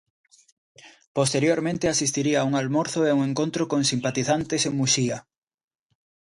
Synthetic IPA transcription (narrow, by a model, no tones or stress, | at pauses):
post̪eɾjoɾmẽnt̪easist̪iɾiaːuŋalmoɾθoeuŋeŋkont̪ɾokoŋsimpat̪iθant̪eseŋmuʃiɐ